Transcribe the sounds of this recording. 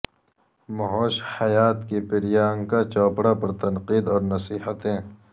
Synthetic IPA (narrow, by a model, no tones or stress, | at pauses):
mɐɦoːʃhɐjaːt̪kipɪɾijaːŋkat͡ʃɔːpɽapɐɾt̪ɐnqiːd̪ɔːɾnɐsiːhət̪ẽː